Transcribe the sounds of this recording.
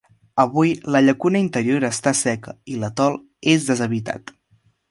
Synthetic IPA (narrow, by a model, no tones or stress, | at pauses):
əβujləʎəkunəint̪əɾioɾəst̪asɛkəilət̪ɔlˠ | ezðəzəβ̞it̪a̰t̪